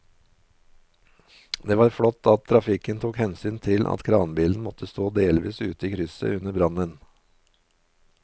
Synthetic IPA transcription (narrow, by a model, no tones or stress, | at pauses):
d̪eːʋɑːɾfɽɔt̪ʰːɑt̪̚t̪ʰɾɑfɪkənt̪ʰuːkhɛnsyːnt̪ʰɪlʔɑ̰t̪kʰɾɑːnbiːln̩mɔt̪ʰəst̪oːd̪eːlʋiːsʉːt̪əiːkʰɾʏsə̰ʉnəbɾɑnən